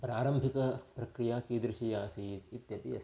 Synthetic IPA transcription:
pɾaːɾɐmbʱikɐpɾɐkɾijaːkiːd̪ɾɪʃijaːsiːt̪it̪jɐpiɐ̰s

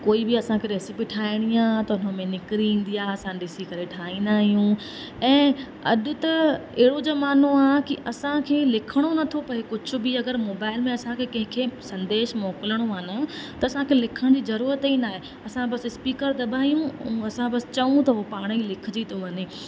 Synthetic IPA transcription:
koːibɪɐsãkʰeɾeːsɪpiʈʰaːɪɽ̃ijaːt̪ɐʊnəmẽnɪkɾiĩːn̆d̪ijaɐsãɗɪsikɐɾeʈʰaːĩnd̪aːɦijũ | ɛ̃ː | ɐ̰ɗʊt̪ɐeɦɪɽod͡ʑoːmaːn̤oaːkiʔɐsãkʰeːlɪkʰəɽ̃onɐt̪ʰopɐɦekʊd͡ʑʱʊ̆bɪɐɡəɾmoːbaːɪlmẽɐsãkʰekɐ̃ɦɪ̃kʰeːsɐ̃nd̪eːʃmɔːkɪləɽ̃oaːnat̪ɐɐsãkʰeːlɪkʰəɽ̃d͡ʑiːzɐɾuːɾət̪inaːɦe | ɐsãbɐsɪspiːkəɾd̪ɐbʱaːijũɐsãbɐsɪ̥t͡ɕɐʋũt̪ɐɦopaːɽ̃ilɪkʰɪd͡ʑit̪ʰoʋɐneː

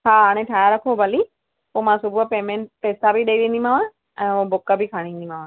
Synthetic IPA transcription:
ɦaːɦaːɽ̃ẽʈʰaːjaɾɐkʰobʱɐli | poːmãsʊbupeːmẽɳʈpeːsabʱiɗɐiʋẽːn̆d̪imãːʋã | ɛ̃ːobʊkəbʱikʰaːɽ̃ĩːnd̪im̤ãːʋãː

